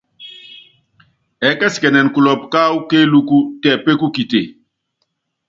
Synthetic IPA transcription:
ɛ˨kɛ˦skɛ˨nɛ˨nku˨lɔ˨p̚ka˦wu˦ke˦lu˦ku˦tɛ˨pe˦ku˦ki˨te˨

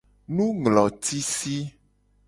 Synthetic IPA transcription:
nũ˦ŋlɔ˨t̪i˦si˦

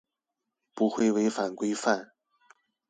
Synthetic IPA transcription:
pu˧˥xwe˥˩ɪwe˧˥ɪfa˨˩nkwe˥ɪfa˥˩n

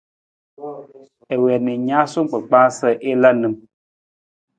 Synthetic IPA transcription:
ɛ˨wɛ˨ni˨ɲa˦so˦m˦k͡pə˨k͡pãː˦sə˦˨ʔe˦la˦nɨ˨m

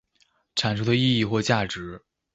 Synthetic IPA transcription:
ʈ͡ʂʰa˨˩nʈ͡ʂʰu˥d̪ə˧i˥˧i˥˧xwɔ˥˧t͡ɕja˥˩ʈ͡ʂɻ̩˧˥

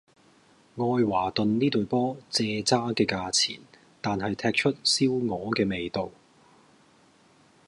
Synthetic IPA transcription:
ŋɔː˧jwaː˨˩t̪ɵ˨nniː˥t̪ɵ˨ɥpɔː˥t͡sɛː˧t͡saː˥kɛː˧kaː˧t͡sʰḭː˨˩n | t̪aː˨nhɐ˨jt̪ʰɛː˧k̚t͡ʃʰɵ˥t̚siː˥wŋɔː˨˧kɛː˧me˨jt̪o˨w

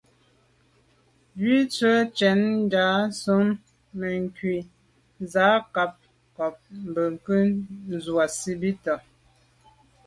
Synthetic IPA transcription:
bɥi˦t͡sə˦t͡ʃɛ˨˦n˦daː˨˦su˨˦mː | ə˨ŋ˨kɥi˨ | zaː˨˦ka˨˦p̚ | kɔ˨p̚m̩˨bə˨ŋ˨kə˦n˦˨zwa˨si˦bi˦tɔ˨

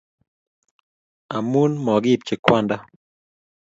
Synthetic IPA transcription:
a˨mu˦nmɔ˨ɡɪ˦˨p̚t͡ʃɪ˨kwa˦nda˦

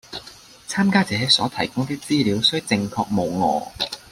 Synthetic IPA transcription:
t͡sʰaː˥mkaː˥t͡sɛː˨˥sɔː˨˥t̪ʰɐ˨˩jkʊ˥ŋt̪iː˥k̚t͡siː˥liː˨˥wsɵ˥t͡sɪ˧ŋkʰɔː˧k̚mo˨˧wŋɔ̰ː˨˧

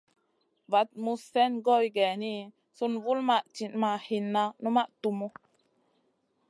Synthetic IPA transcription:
va˨t̚mu˧sːɛ˦nɡo˦jɡɛ˨ni˦ | su˧nvu˦lma˦ʔt͡ʃi˨nma˨hi˧nːa˧nu˦ma˦ʔtu˧mu˦

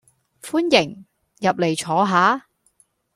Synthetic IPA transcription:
fuː˥njɪ˨˩ŋ | jɐ˨p̚le˨˩jt͡ʃʰɔː˨˥ɦaː˨˥

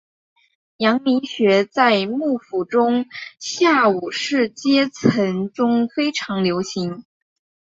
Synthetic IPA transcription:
jɑ˧˥ŋmi˧˥nɕɥɛ˧˥t͡sa˥˧ɪmu˥˩fu˨˩ʈ͡ʂʊ˥ŋɕja˥˩u˨˩ʂɻ̩˥˩t͡ɕjɛ˥t͡sʰə˧˥nʈ͡ʂʊ˥ŋfe˥ɪʈ͡ʂʰɑ˧˥ŋljo˧˥ʊɕi˧˥ŋ

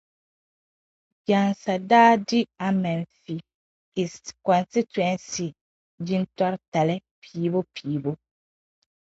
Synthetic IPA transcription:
ja˨nsa˨daː˦dɪ˦a˨mɛ˨nfi˨ | i˨skɔ˨nsi˦tɛ˦nsi˨ | di˦n˦tɔ˦ɾta˨lɛ˦pʰiː˨˦bo˦pʰiː˨˦bo˦

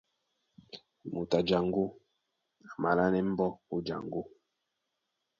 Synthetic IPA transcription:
mu˨ta˨d͡ʒa˨ŋɡu˦ | a˨ma˨la˦nɛ˦m̩˦bɔ˦u˦d͡ʒa̰˨ŋɡu˦

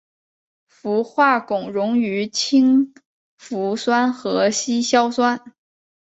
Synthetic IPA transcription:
fu˧˥xwa˥˩kʊ˨˩ŋɻʊ˧˥ŋy˧˥t͡ɕʰi˥ŋ | fu˧˥swa˥nxɤ˧˥ɕi˥ɕjɑ˥ʊswa˥n

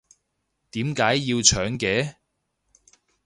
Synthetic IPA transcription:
t̪iː˨˥mkaː˨˥jːiː˧wt͡ʃʰœː˨˥ŋkɛː˨˥

